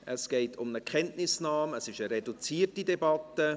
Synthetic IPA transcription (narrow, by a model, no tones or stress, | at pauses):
ʔəsɡ̥eɪtʰʊmnəkʰɛntnɪsnɑːməsɪʃəɾɛdut͡siːətidɛbɑtːə